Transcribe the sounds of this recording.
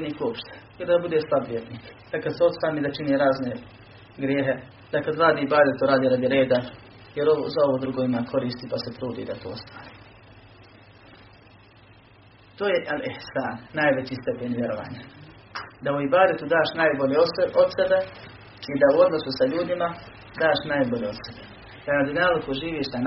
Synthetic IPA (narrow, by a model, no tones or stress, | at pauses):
eniːkuopʃt̪e̥ | id̪aabud̪eslˠabʋʲjed̪niːkd̪̥akad̪seo̞t̪saːmid̪at͡ʃiniɾaːzne̞ | ɡɾjeːɦe̞ | d̪̥akad̪ɾaːd̪iːibaːd̪et̪uɾaːd̪iːɾad̪jiɾe̞ːd̪a | jeɾoo̰zao̞ʋod̪ɾuɡo̞imakʰo̞ɾiːst̪ipaset̪ɾuːd̪ḭd̪at̪ʰo̞̰ːst̪aːɾi̥ | t̪oːjeʔalihsaːnːajʋe̞t͡ɕist̪e̞peɲʋʲje̞ɾo̞ʋa̰ːɲa | d̪auibaːd̪et̪ud̪aːʃnaːjboʎeʔod̪sebe | id̪auo̞d̪no̞susaʎuːd̪ima | d̪aːʃnajboʎeod̪sebe | d̪anad̪onaːlukuʒiːʋiːʃt̪an